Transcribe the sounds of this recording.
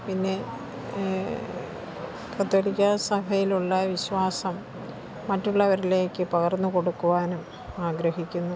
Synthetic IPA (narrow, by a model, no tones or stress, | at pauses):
pinːe̞ | kɐt̪ːoːɭikʲːɐsɐbʱɐjiluɭːɐʋiɕʋaːsɐmː | ɐtːuɭːɐʋɐɾile̞ːkːɨpɐɣɐrnːuko̞ɽukːuʋaːnum | aːɡɾɐɦikʲːunːu